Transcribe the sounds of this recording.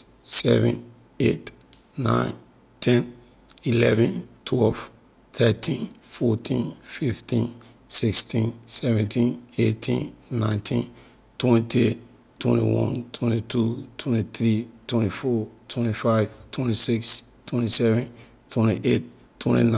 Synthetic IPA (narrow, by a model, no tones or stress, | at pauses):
sɛ̰vɛ̃n | et | nã̰ɪ̃n | tʰɛ̃n | ilɛvɛ̃ntʰwɛlv | θʰɛtʰĩnfɔtʰĩnfiftĩn | sikstʰĩnsɛvɛ̃ntĩnetʰĩnːãɪ̃ntʰĩn | tʰwɛ̃nite | tʰwɛ̰̃ntḭwʌ̰̃ntʰwɛ̃ntitʰutʰwɛ̃ntiθɹitʰwɛ̃ntifɔtʰwɛ̃nifaɪv̥tʰwɛ̃nisikstʰwɛ̃nisɛvɛ̃n | tʰwɛ̃ntiʔet | tʰːwɛ̰̃ntina